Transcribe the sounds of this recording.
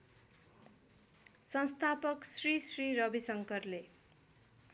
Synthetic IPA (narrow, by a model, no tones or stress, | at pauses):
sʌnst̪ʰapʌksrisriɾʌbisʌŋkʌrle